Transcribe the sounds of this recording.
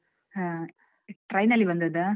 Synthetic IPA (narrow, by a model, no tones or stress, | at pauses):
ɦã | ʈɾɐjnɐlːibɐnd̪ɐd̪ɐ